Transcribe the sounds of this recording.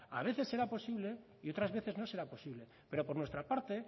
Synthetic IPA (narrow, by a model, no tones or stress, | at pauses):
a̰β̞e̞θe̞sːe̞ɾapo̞siβle̞ | io̞t̪ɾazβeθe̞zno̞se̞ɾapo̞siβle | pe̞ɾo̞po̞ɾnwet̪ɾapaɾt̪e